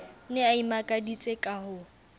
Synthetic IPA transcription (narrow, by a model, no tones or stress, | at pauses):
nɛaimakʼadit͡sʼekʼahʊ